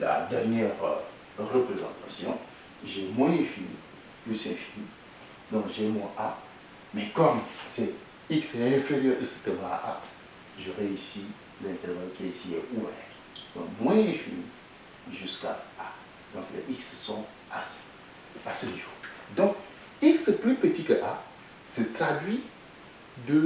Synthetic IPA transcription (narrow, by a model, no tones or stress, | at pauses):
la̰d̪ɛʁnjɛʁ | ʁəpχezɑ̃t̪asjɔ̰̃ | ʒɛmwɛ̃ɛ̃finḭ | plysɛ̃fi̥ni | d̪ɔ̃kʒɛmɛ̃ʔa | mɛkɔmsɛ | iksɛɛ̃feʁjœʁist̪əvaa̰ʔa̰ | ʒəʁeysi | lɛ̃t̪ɛʁvɔkʲiaisiɛʔuɛ̰ | dɔ̰̃mwɛ̃ɛ̃fini | ʒyska̰a | d̪ɔ̃klɛ̰ʔikssɔ̃ | as | pasələʒuː | d̪ɔ̃k | iksplypət̪ikəʔa | sət̪χad̪ɥi | d̪ə